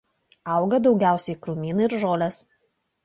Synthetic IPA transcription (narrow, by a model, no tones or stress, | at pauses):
ɐˑʊɡɐd̪ɒʊɡʲæˑʊsʲɛɪkɾuːmʲiːnɐɪɾʒoːlʲɛs